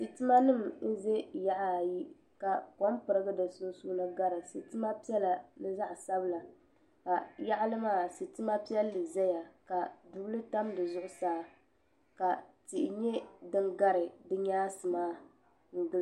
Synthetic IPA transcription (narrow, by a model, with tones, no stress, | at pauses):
si˨tɨ˦ma˦nɨ˦˨mn̩˦ze˦ja˦ʔa˦˨ji˦ | ka˨ko˨˦m˦pɨ˨ɾɨ˦ɡɨ˦dɨ˨su˦n˦suː˦nɨ˦ɡa˦ɾɨ˨sɨ˨tɨ˦ma˦pi˦ɛ˦la˨nɨ˦za˦ʔsa˦bɨ˦la˨ | ka˨ja˦ʔa˦lɨ˦maː˦˨si˨tɨ˦ma˦pi˦ɛ˦lːɨ˨zɛ˦ja˨ka˨du˨blɨ˦ta˦mdɨ˨zʊ˦ʔʊ˦saː˦ | ka˨ti˨ʔɪ˨ɲɛ˦dɨ˦ŋɡa˦ɾɨ˨dɨ˦ɲaː˦sɨ˨maː˦ | ŋ̩˨ɡɨ˦l